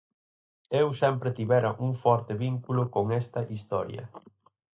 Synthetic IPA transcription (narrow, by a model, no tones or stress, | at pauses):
ewsɛmpɾɪt̪iβɛɾɐʔuŋfɔɾt̪ɪβiŋkulʊkoŋɛst̪ɐʔist̪ɔ̰ɾjɐ̰